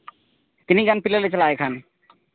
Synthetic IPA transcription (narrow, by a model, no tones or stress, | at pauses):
t̪iniɡanpilalet͡ɕalaekʰan